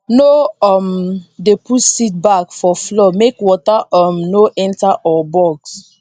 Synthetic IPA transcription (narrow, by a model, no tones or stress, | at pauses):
noɔmdepʰutsit̚bakfɔflɔmekwɔtaɔmnoʔɛ̃ntaʔɔbɔks